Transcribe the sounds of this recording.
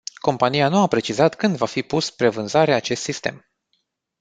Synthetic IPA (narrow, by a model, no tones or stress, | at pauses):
ko̞mpanijanuapɾe̞t͡ʃizat̪kɨnd̪vafipuspɾe̞vɨnzaɾeat͡ʃe̞st̪sist̪e̞̰m